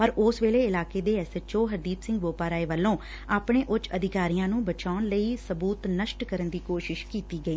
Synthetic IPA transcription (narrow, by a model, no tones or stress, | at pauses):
pəɾʊsʋeːleːɪlaːkeːd̪eːɛsət͡ʃoːɦəɾd̪iːt̪sɪ̃ŋɡboːpaːɾaːeːʋəlːõː | aːpɳeːʔʊt͡ʃəd̪ɪkaːɾijãːnũːbət͡ʃaːnləiːsəbuːt̪nəʃʈkəɾənd̪iːkoːʃɪʃkiːt̪iːɡəiː